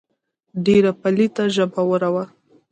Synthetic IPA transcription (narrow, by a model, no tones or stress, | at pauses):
ɖeɾapalit̪aʒəbawəɾawa